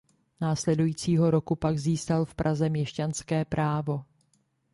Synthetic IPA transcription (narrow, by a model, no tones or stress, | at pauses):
naːslɛdujiːt͡siːɦo̞ɾo̞kupaɡziːskalfpɾʔazɛmɲɛʃcanskɛːpɾʔaːvo̞